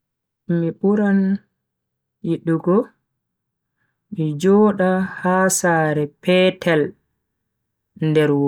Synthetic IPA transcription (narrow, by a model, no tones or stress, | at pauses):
miɓuɾan | jiɗːuɡɔ | mid͡ʒɔːɗahaːsaːɾɛpʰɛtʰɛl | ndɛɾwo